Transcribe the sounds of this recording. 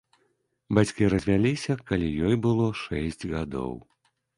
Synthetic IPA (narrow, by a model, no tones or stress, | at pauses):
bat͡sʲkʲiɾɐzʲvʲalʲisʲɐkalʲijɔjbɨlˠɔʂɛsʲd͡zʲɣad̪ɔ̰w